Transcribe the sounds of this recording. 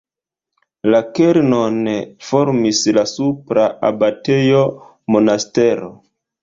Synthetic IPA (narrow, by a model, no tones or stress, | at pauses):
lakeɾnonfo̞ɾmislasupɾaa̰bate̞jo | mo̞naste̞ɾo̰